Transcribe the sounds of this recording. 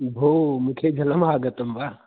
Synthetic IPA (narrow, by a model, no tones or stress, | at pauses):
bʱoːmʊ̃ːkʰed͡ʒʱɐləmɦaːɡət̪əmbaː